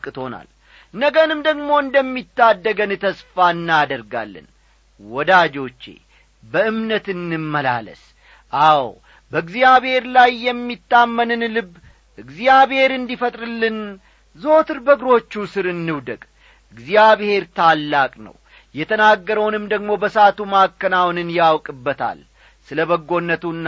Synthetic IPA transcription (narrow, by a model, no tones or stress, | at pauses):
kʼːɨt̪ʰo̞na̰l | nəɡənɨmd̪əɡmo̞ɨnd̪əmːit̪ːad̪ːəɡənɨt̪ʰəsfaɨnːad̪əɾɡa̰lːɨ̰n | wɔd̪ad͡ʒo̞t͡ʃːḛ | bəʔɨmnət̪ɨnːɨmːəla̰lə̰s | ʔaw | bəɨɡzijaβhe̞ɾlajːɛmːit̪ːamːənɨnlɨβː | ʔɨɡzijaβhe̞ɾɨnd̪ifət̪ʼɾɨlːɨn | zo̞t̪ʰɨɾbəɡɾo̞t͡ʃːusɨɾɨnːɨwd̪əkʼ | ɨɡzijaβhe̞ɾt̪ʰalːakʼnə̰w | jɛt̪ʰənaɡːəɾəwnɨmd̪əɡmo̞bəsat̪umakːənawnɨnjawkʼɨbːət̪ʰa̰l | sɨləbəɡːo̞nːət̪unː